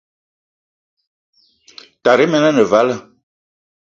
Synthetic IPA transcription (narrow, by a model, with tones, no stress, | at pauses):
ta˨ɾe˦mɛ˨na˦nə˨va˦lə˦˨